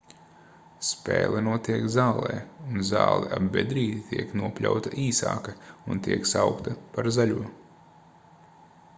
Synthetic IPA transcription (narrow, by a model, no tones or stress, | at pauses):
spʲɛ̰ːlˠɛnuɔt̪iɛkzaːlˠɛ̰ːunza̰ːlˠɛʔabbed̪ɾiːd̪it̪ʰiɛknuɔpʲlʲa̰wt̪aʔiːsaːkaunt̪iɛksawkt̪ɐpaɾzaʎʲuɔ